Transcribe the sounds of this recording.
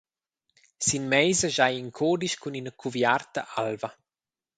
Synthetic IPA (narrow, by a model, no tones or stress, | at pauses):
sinmɛjzəʒajiŋkʰoːd̪iʃkuninəkʰuvjart̪a̰ʔalva